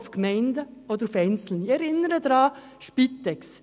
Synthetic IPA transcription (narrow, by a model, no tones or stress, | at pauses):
fkmɛɪndəod̪əɾufɛɪnt͡sl̩nɪɛɾɪnəɾədɾɑː | ʃpitɛks